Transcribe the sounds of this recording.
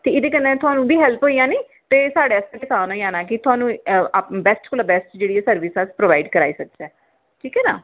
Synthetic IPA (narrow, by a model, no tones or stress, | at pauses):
t̪eːɪd̪eːkənːɛ̃ːt̪ʊaːnũːbiːɦɛlpɦoːijãːniː | t̪eːsaːɽeːəsãkɪsaːnõːiãːnaːk̬ɪt̪ʊaːnũːbɛsʈkʊlaːbɛsʈd͡ʒeːɽiɛːsəɾʋɪsaspɾoːʋaːɪɖkəɾa̰ːiːsək̚d͡ʒɛː | ʈʰiːkɛːnaː